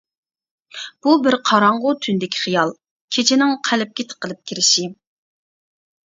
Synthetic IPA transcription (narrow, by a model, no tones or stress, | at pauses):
b̥ubɪɾqʰɑɾɑɴʁʊt̪ʰynd̪ɪkʲʰi̥χijɑlˠ | kʲʰet͡ʃʰɪnɪŋqʰælɪp̚kʲɪt̪ʰə̥qʰːəlˠɨp̚kʲʰiɾɪʃi